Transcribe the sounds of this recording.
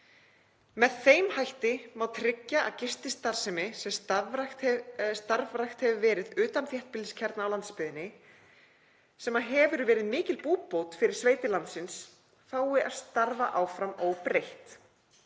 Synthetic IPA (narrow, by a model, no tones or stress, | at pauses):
mɛðθejmhajht̪ɪmawt̪ʰɾɪcːaʔa̰ðcɪrst̪ɪst̪aɾ̥sɛmɪsɛmstst̪aɾvɾajxt̪hɛvʏvɛːɾɪðʏːt̪amθjɛht̪̚pɪlɪscʰɛɾt̪naːwlant̪spʏðɪnːɪ | sɛmːaɦɛvʏɾvɛːɾɪðmɪːcɪlpuːpowt̪fɪɾɪɾ̥sveːjt̪ɪlant̪sɪns | θaːwɪʔaðst̪aɾvaʔawfɾamowpɾejht̪